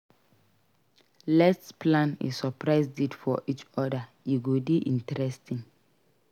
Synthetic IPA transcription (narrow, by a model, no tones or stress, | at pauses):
lɛstsplãnḭssɔpɹaɪzditfɔ̰ʔit͡ʃɔda | jiɡodiʔĩntɾɛstʰĩn